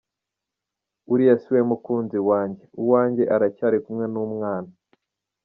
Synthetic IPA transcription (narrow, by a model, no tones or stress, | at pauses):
uɾijasiwemukuːnziwaːɲɟe̞uwaːɲɟe̞ʔaɾacaɾikumŋe̞numŋaːna